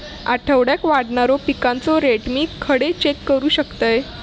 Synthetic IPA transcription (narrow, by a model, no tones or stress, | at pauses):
aʈʰəʋɽjakʋaɽɳaɾopikant͡sɔɾeʈmiːkʰəɽet͡ɕekːəɾuːɕəkt̪əj